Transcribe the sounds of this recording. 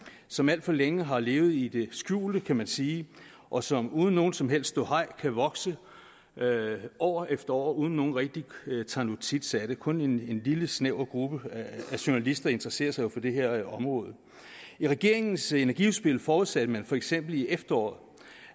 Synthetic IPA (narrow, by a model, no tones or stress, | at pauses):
sɒ̽mæl̰d̥fɒ̽leŋəɦɑ̈le̝ːʊð̞̩ˠid̥e̝sɡ̥jṵːld̥əkʰæmænsiː | ʔɒ̽sɒ̽muːð̞ˠn̩ːo̝ːn̩sɒ̽mɦel̰sd̥d̥o̝ɦɑ̈ɪ̰kʰæʋɒ̽ɡ̥sə | ʔɒʊːɐʔefd̥ɐɒ̰ːɐuːðˠn̩ːo̝ːn̩ʁɛɡ̥̚d̥it͡sʰɑ̈nut͡sʰid̥sæd̥əkʰɔ̽nene̝nliləsneʊ̰ɡ̥ʁub̥əæɕo̝nælisd̥ɐe̝nd̥ʁɐse̝̰ːɐsɑ̈ɪjo̝fɒ̽d̥e̝ɦe̝ɐ̰ɒ̽mʁɔ̽ːð̞ˠə | iʁaɡ̥e̝ɐe̝ŋn̩se̝næɐɡ̥iusb̥e̝lfɒːuðˠsæd̥əmænfɒ̽eɡ̥sem̰b̥l̩iefd̥ɐɒ̰ːð̩ˠ